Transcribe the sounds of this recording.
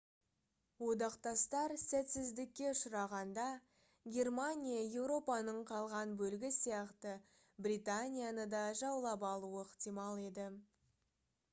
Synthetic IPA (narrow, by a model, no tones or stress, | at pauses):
wo̞d̪ɑqt̪ɑst̪ɑɾsæt̪sɪzd̪ɪkʲːe̞ʊʃʊɾɑʁɑnd̪ɑ | ɡʲe̞rmanʲijaje̞wɾo̞pɑnəɴqʰɑlˠʁɑnbɵlɡʲɪsijɑqt̪ə | brʲit̪anʲijanəd̪ɑʒɑwlˠɑpɑlˠuəɪqt̪ijmɑlˠe̞d̪ɪ